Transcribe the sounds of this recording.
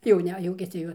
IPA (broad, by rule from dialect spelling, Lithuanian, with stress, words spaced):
jɛʊˈnʲɛ ˈjuɔkʲɛsʲɪ jɛʊ